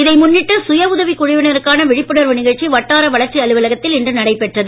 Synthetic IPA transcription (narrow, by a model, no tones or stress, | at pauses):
ɪðɐɪmʊnːɪʈːɯsʊjɐʊðɐʋikːʊɻɪʋɪnɐɾɯkːaːnɐʋɪɻɪpːɯɽɐɾʋɯnɪɣɐɭt͡ʃiʋɐʈːaːɾɐʋɐɭɐɾt͡ʃiɐɭɯʋɐlɐɣɐt̪ːɪlɪndrɯnɐɽɐɪpːɛʈrɐðɯ